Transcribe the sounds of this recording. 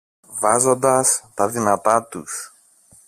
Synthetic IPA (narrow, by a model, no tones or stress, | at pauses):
vɐzo̞nd̪ɐst̪ɐðinɐt̪ɐt̪ṵs